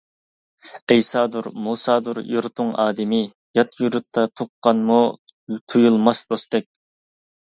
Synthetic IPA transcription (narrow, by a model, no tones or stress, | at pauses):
ɛjsɑːd̪uɾmusɑːd̪uɾjuɾt̪ʰʊŋɑːd̪ɪmɪ | jɑt̪ʰjuɾut̪ʰːɑt̪ʰoqːɑnmu | t̪ʰujulˠmɑsd̪ost̪ɛk̚ʲ